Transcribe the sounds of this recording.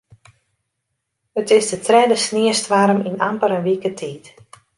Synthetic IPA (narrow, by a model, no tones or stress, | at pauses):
ətɪsdətrɛdəsnɪəstʋaɾəminampəɾənʋikətʰiːt